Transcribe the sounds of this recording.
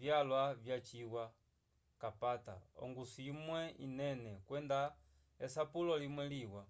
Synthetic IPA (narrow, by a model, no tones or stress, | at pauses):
vjalwavjat͡ʃiwa | kapata̰ɔ̰ŋɡusiimwɛinɛnɛkwɛnda | ɛsapulɔlimwɛliwa